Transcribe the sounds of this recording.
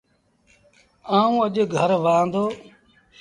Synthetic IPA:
aːũːəʄɡʱəɾʋaːnd̪oː

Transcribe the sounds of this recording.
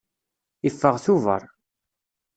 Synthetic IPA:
ifːəʁθuvə̰ɾˤ

